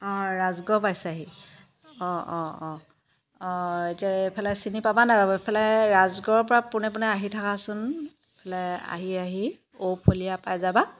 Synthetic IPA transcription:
ɔ̃ɹazɡɔpajsaɦi | ɔɔ̃ɔ | ɔ̃etiaepʰɛlɛsinipabanajbabɔepʰɛlɛɹazɡɔɹpɔɹapʊnɛpʊnɛaɦitʰakasʊn | epʰɛlɛa̰ɦiaɦi | opʰolijapajzaba

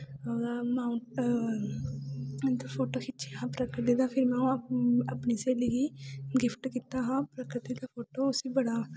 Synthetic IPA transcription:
maːʊʈ | d̪pʰoːʈoːkʰɪt͡ʃʰiɦãːpɾəkɪʈd̪id̪aːpʰɪɾmɛ̃ːũəpniːseːliːɡiːɡɪpʰʈkiːt̪aːɦãːpɾəkɾɪt̪iːd̪aːpʰoːʈoːʊsiːbəɽaː

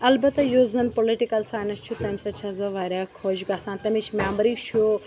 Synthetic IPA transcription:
ɐlbɐt̪ɐjuzɐnpoliʈikɐlsaːjnɐst͡ʃʰut̪ɐmsɐt͡ʃʰɐzɐʋaːɾʲaːkʰoːʃɡaːsãːnt̪ɐmit͡ʃʰmʲaːmbɐɾiʃo

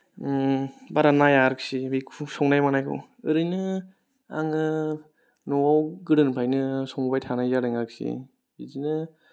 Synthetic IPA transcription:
baɾanajaɾɯk̚sibikʰusɔŋnajmanajkʰo̰ | ɯɾɯjnɯ | a̰ŋɯ | nɔawɡɯɾɯnpʰajnɯsɔŋbajtʰanajzaɾɯŋaɾɯk̚sḭ | izinɯ

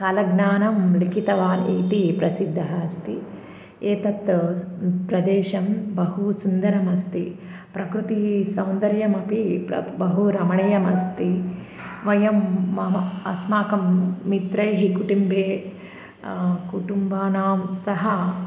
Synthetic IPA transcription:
kɐlɐɡnaːnɐmlikʰit̪ɐʋaːniːt̪ipɾɐsid̪ʱːɐɦɐst̪i | eːt̪ɐt̪ːɐpɾɐd̪eːʃɐmbɐɦusund̪ɐɾɐmɐst̪i | pɾɐkɾut̪isɐwnd̪ɐɾjɐmɐpipɐ̰bɐɦuɾɐmɐɳɐjɐmɐst̪i | ʋɐjɐmːɐɐɐsmaːkɐmːit̪ɾɐjɦikuʈumbʱeː | kuʈumbaːnaːmsɐɦɐ

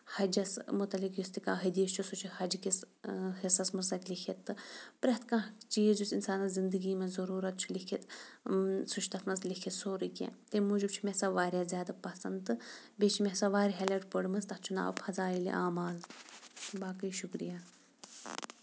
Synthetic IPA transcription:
hɐd͡ʒɐsmut̪ɐlikjust̪ikaːɦɨd̪iːst͡ʃʰusut͡ʃʰihɐd͡ʒkis | hisɐsmɐsɐk̪likʰit̪ːɨpɾɐɦt̪kãːt͡ʃiːd͡ʒusinsaːnɐzind̪ɨɡiːmɐnzɐɾuːɾɐt̪̚t͡ʃʰulikʰit̪ | sut͡ʃʰt̪ɐt̪ʰnɐslikʰit̪soːɾikʲḛ̃ːt̪emuːd͡ʒib̚t͡ʃʰumesaʋaːɾʲjaːzjaːd̪apɐsɐnd̪t̪ɨbeːt͡ʃʰimesaʋaːɾiɦɐlɐʈpɐɽmɐzt̪ɐht͡ʃʰuna̰ːʋpʰɐzaːilḭʔaːmaːl | baːkɐjʃukɾḭjaː

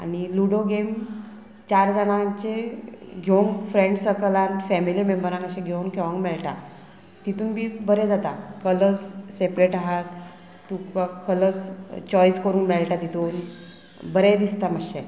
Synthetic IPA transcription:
a̰niluɽoɡem | t͡ɕaɾd͡zənat͡ɕeɡʱewnfɾẽɳɖsəkəlãnfɛmilimembəɾãnəɕẽɡʱeunkeʋaŋɡmɛɭʈa | t̪it̪uːnbiːbəɾed͡zat̪akələt͡ssepɾeʈaɦat̪ː | ukakələt͡st͡ɕɔjskəɾuːnmɛɭʈat̪it̪uːn | bəɾed̪ist̪aməɕe

